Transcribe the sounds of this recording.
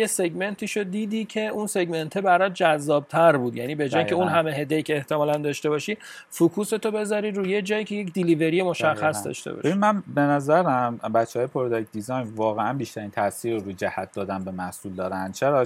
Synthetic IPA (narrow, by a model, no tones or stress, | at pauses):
jese̞ɟme̞nt̪ʰiːʃod̪iːd̪iːcʰe̞unse̞ɡme̞nt̪ʰebæɾɒt̪̚d͡ʒæzːɒːb̥̚t̪ʰæɾbuːd̪jæniːbe̞d͡ʒɒːjicʰeunɦæme̞ɦe̞d̪ejicʲʰeːht̪ʰe̞mɒːlænd̪ɒːʃt̪e̞bɒːʃiː | fukʰuːse̞t̪ʰobe̞zɒɾiɾuːje̞d͡ʒɒːjicʰʲejecd̪ilive̞ɾijemo̞ʃæxːæsd̪ɒ̰ʃt̪ḛɒ̰ʃbeinmænbe̞næzæɾæmbæt̪t͡ʃːehɒːjepʰoɾd̪ɒk̚d̪izɒjnvɒːɣeænbiʃt̪æɾiːnt̪ʰæsiːɾoɾujd͡ʒæhæt̪̚d̪ɒːd̪ænbe̞mæhsuːld̪ɒːɾænd̪̥̚t͡ʃʰeɾɒ